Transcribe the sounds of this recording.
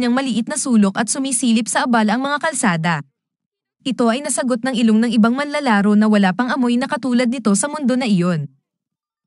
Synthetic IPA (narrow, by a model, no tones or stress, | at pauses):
ɲɐŋmɐlɪʔɪt̪nɐsuːlo̞kʔɐt̪̚sʊmisiːlɪpsɐʔɐbalʔɐŋmɐŋakɐlsaːd̪ɐ | ʔɪt̪o̞ʔɐjnɐsɐɡo̞t̪̚nɐŋʔɪloŋnɐŋʔɪbaŋmɐnlɐlaːɾo̞nɐwɐlaːpɐŋʔɐmo̞jnɐkɐt̪uːlɐd̪̚nɪt̪o̞sɐmʊnd̪o̞nɐʔɪjo̞n